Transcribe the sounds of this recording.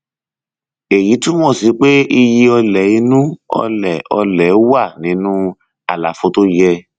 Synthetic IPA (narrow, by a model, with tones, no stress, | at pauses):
e˨ji˨˦tũ˦mɔ̃˦˨si˨˧˦k͡pe˦i˧ji˧ɔ˧lɛ˨i˧nũ˦ɔ̰˧lɛ˨ɔ̰˧lɛ˨˦wa˦˨nĩ˨˦nũ˦ | a˨la̰˨fo˨˧to˦jɛ˧